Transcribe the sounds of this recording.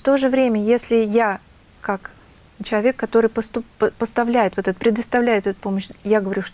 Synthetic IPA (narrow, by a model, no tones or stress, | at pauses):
ft̪o̞ʐɨvɾʲemʲəjesʲlʲɪja | kak | t͡ɕɪlˠɐvʲe̞kːɐt̪o̞ɾɨjpəst̪ʊpəpəst̪ɐvlʲæjɪt̪vot̪ɛt̪əpʲɾʲɪd̪əst̪ɐvlʲæjɪt̪ɛt̪ʊpo̞məɕjaɡəvɐɾʲuʂt̪